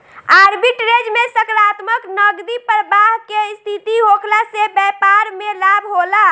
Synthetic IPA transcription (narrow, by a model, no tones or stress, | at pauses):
aɾbiʈɾed͡ʒmesəkɾat̪məknəɡd̪ipɾəbaɦkest̪ʰit̪iɦokʰlasebɛpaɾmelabʱɦola